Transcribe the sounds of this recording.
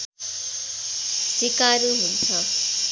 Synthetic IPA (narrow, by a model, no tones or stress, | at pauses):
sikaɾuɦunt͡sʰʌ